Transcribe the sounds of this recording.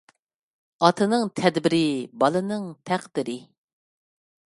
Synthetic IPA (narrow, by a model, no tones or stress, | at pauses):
ɑt̪ʰɨnɨŋt̪ʰɛd̪bɪɾɪbɑlˠɨnɨŋt̪ʰæqd̪̥ɪɾɪ